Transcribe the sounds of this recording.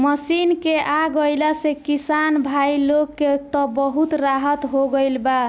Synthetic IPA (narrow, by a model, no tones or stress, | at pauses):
məsinkeʔaɡəjlasekisanbʱailokːet̪ɔbəɦut̪ɾaɦət̪ɦoɡəjlba